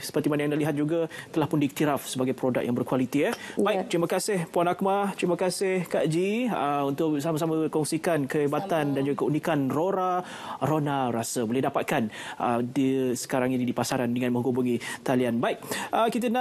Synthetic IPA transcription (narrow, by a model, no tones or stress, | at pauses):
sə̥pərt̪imanajaŋdaliɦat̪̚d͡ʒuɡat̪əlahpʊndiik̚t̪iɾafsəbaɡajpɾoda̰k̚jaŋbərkwalit̪iɛbajk̚t̪ɾimakasɪhpuanak̚mat̪ɾimakasɪhkaʔd͡ʒiəunt̪ʊʔsamasamakɔŋsikankəebat̪andand͡ʒuɡakəunikanroɾa | ɾonaɾasəbolɛhdapat̪̚kanʔə̰disə̥kaɾaŋinidipasaɾandəŋãnmə̃ŋɡobuŋit̪alianbaɪk̚ʔəkit̪̬əna